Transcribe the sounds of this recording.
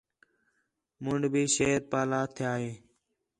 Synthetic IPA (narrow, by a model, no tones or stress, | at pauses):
mʊɳɖbʱiːʃeːɾpaːlaːt̪ʰɪjaːɦeː